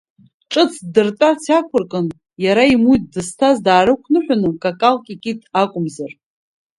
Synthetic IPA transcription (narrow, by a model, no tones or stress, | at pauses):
ʈ͡ʂʼɨt͡sʰdɨrtʼat͡sʰakʷʰʊrkʼɨn | jaɾaimujt̚ʰdɨstʰazdaːɾɨkʷʰnɨħʷᶣanɨkʼakʼalkʼikʲʼitʰakʷʼʊmzar